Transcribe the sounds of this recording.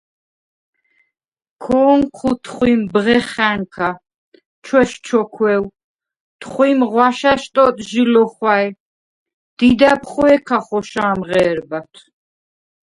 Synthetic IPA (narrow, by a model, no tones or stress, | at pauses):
kʰɔːŋkʰut̪ʰχwimbʁɛχæŋkʰa | t͡ʃʰwɛʃt͡ʃʰɔkʰwɛw | t̪ʰχwimʁwaʃaʃt̪ʼɔt̪ʼʒilɔχwaj | d̪̥id̪apʰχɔɛkʰaχɔʃaːmʁɛːɾbat̪ʰ